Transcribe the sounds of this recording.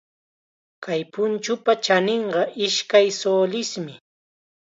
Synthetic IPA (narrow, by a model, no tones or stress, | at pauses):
kʰajpʊnt͡ʃʊpat͡ʃaneɴɢɑʔɪʃkajsoːlɪsmɪ